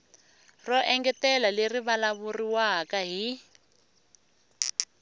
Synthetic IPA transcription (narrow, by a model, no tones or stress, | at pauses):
rɔʔɛŋɡɛtɛlaleriβalaβuriwakaɦi